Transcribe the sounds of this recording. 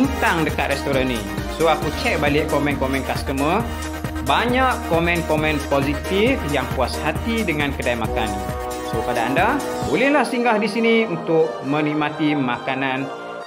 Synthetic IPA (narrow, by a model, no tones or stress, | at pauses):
int̪aŋdəkat̪̚rɛst̪oɾanĩ | soakut͡ʃɛk̚balɪʔkomɛ̃nkomɛ̃nkast̪əmə | baɲaʔkomɛ̃nkomɛ̃npozit̪ifjaŋpuashat̪idəŋãnkədajmakan | sopadaːnda | ulɪnlahsiŋɡahdisiniunt̪ʊk̚mə̃niʔmãt̪imakanãn